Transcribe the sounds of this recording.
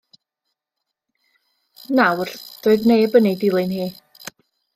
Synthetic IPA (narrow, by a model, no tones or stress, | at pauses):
nawrd̥oːɨðnejəbənidɪlˠɨnhiː